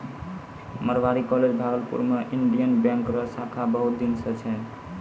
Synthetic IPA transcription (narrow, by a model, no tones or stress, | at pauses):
məɾbaɾikɔled͡ʒbʱaɡəlpṵɾmeʔiɳɖijənbjãŋkɾʌsakʰabəɦut̪̚d̪insət͡ʃʰɛ